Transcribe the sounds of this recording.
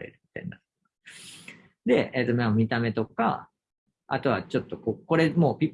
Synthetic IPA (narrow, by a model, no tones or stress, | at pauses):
ḛɾɯ̟mʲi̥t̪a̰j̰ninat̪ | d̪e̞et̪ːomʲamʲit̪ame̞t̪o̞ka̰ | a̰t̪o̞βat͡ɕo̞t̪ːo̞koko̞ɾe̞mo̞ːpʲi